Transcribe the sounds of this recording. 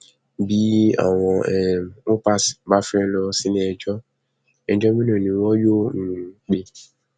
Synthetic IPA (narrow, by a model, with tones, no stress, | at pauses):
bi˦a̰˨w̃ɔ̃˧ɛ˨o˦pa˦sba˨˦fɛ˦lɔ˧si˦nĩ˨˦ɛ˨d͡ʒɔ˦ | ɛ˨d͡ʒɔ˦mĩ˦nɔ̃˨nĩ˨wɔ˦jo˦ŋ̩˨k͡pe˦